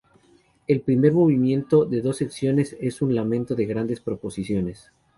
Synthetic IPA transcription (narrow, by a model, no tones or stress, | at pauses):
e̞lpɾime̞ɾmo̞β̞imjẽ̞nt̪o̞ðe̞ðo̞seksjo̞ne̞se̞sunlamẽnt̪o̞ðe̞ɣɾand̪e̞spɾo̞po̞sisjo̞ne̞s